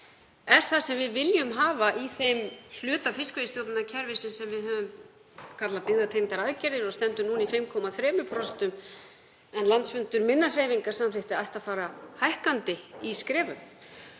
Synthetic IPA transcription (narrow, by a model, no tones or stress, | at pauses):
ɛɾ̥θasɛmvɪðvɪljʏmɦaːvaʔiθejml̥ʏːt̪afɪskvejɪst̪jowt̪nɪnacʰɛɾvɪsɪnsɛmvɪðhœːvʏm | kʰat̪lapɪɣðat̪ʰejnt̪aɾaðcɛɾðɪɾɔɣst̪ɛnt̪ʏmnuːnifɪjmkʰɔːmaθɾɛːmʏpʰɾɔst̪ʏm | ɛnlant̪sfʏnt̪ʏɾmɪnːar̥eːjviŋkaɾ̥samfɪht̪ɪajht̪afaːɾahajhkant̪ɪiskɾɛːvʏ̰m